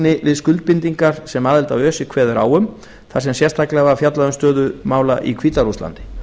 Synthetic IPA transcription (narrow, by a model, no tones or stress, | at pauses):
nɪvɪðskʏlt̪̚pɪnt̪iŋkaɾ̥sɛmaːðɛlt̪awœːsɪkʰv̥ɛːðʏɾa̰ːwʏm | θaɾ̥sɛmsjɛst̪ʰaklɛɣafjat̪laðʏmst̪œːðʏmaːwlaʔikʰviːt̪aɾust̪la̰nt̪ɪ̥